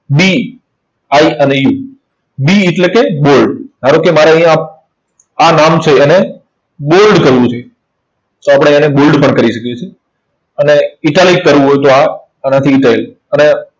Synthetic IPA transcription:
bi | aiəneju | biːʈlekebolɖɦaɾokemaɾaə̃ɦjã | anamt͡ʃʰeːne | bolɖkəɾʋũt͡ʃʰe | t̪oapɽ̃eãnebolɖpəɳkəɾiʃəkjet͡ʃʰe | əneiʈalikəɾʋũɦojt̪oaː | nat̪ʰiːʈael | əne

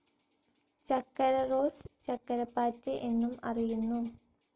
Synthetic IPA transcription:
t͡ɕɐkːɐɾɐro̞ːst͡ɕɐkːɐɾɐpːaːtːɨʔe̞nːumɐ̰rijunːu

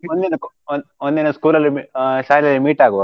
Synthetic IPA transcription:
ond̪enɐk | nond̪enɐskuːlɐlːimiʃaːlijɐlːimiːʈaːɡuʋ

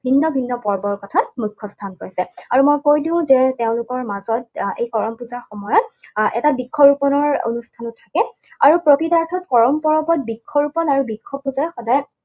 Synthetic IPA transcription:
bʱinːɔbʱinːɔpɔɹbɔɹkɔtʰatmukʰːɔstʰankoɹjsɛaɹumojkojdĩʊ̃zɛteʊ̃lʊkɔɹmazɔt̚ejkɔɹɔmpuzaɹxɔmɔjɔtɛtabikʰːɔbɹupɔnɔɹo̰nustʰanʊtʰːakɛ | aɹupɹɔtitaɹtʰɔtkɔɹɔmpɔɹɔbɔt̚bikʰːɔɹupɔnaɹubikʰːɔb̚uzaɹxɔdaj

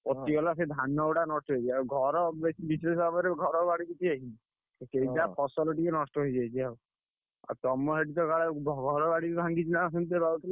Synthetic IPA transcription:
pɔt̪iɔlased̪ʱanɔwɽanɔsʈɔɦojt͡ʃiawɡʱɔɾɔbesibisesɔbʱabɔɾeɡʱɔɾɔbaɽibit̪ʰiaɦid͡ʒi | sejd͡ʒapʰɔsɔlɔʈikenɔsʈɔɦojd͡ʒajt͡ʃʰiau | a̰ɾt̪ɔmɔɦeʈit̪ɔkaɭebʱɔɡʱɔɾɔbaɽit̪ibʱaŋɡid͡ʒinas̬ɔnt̪ebaɾut̪ʰile

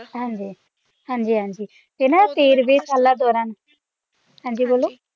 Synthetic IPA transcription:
ɦãːnd͡ʒiː | ɦãːnd͡ʒiːɦãːnd͡ʒiː | t̪enaːt̪eːɾbeːsaːlːaːd̪ɔːɾãːn | ɦãːɲd͡ʒiːboːlːoː

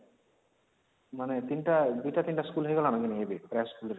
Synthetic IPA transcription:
manet̪inʈad̪ujʈat̪inʈaskulɦojɡɛlanakiniebepɾaskuleɾ

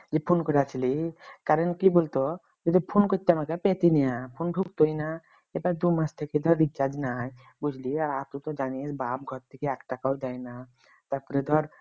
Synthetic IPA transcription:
d͡ʒepʰonkɔɾat͡ʃʰilikaɾɔnkibolt̪o | d͡ʒed̪ipʰonkoɾt̪ːeamakepet̪inijãpʰonɖʱuk̚t̪ojna | ebaɾd̪umast̪ʰeked̪ʱɔɾːit͡ʃad͡ʒnaj | bud͡ʒʱliaɾaɾt̪ut̪ɔd͡ʒaniesbab̚ɡʱɔɾt̪ʰekeɛkʈakaɦod̪ajna | t̪aɾpɔɾed̪ʱɔɾ

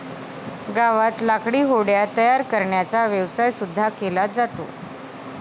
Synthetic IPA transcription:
ɡaʋat̪lakɽiːɦoɽjat̪əjaɾkəɾɳjat͡saʋjəʋsajsud̪ʱːakelad͡zat̪o̰

